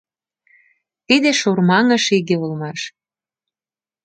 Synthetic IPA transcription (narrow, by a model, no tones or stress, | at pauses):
t̪id̪eʃurmɑŋə̆ʃiɣeulmɑʃ